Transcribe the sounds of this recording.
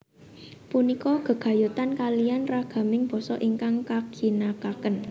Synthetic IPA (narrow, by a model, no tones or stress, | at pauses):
punikɔɡ̥ə̤ɡ̥ä̤jut̪ankalijanraɡ̥a̤mɪŋb̥ɔ̤sɔʔiŋkaŋkaɡ̥i̤nakakən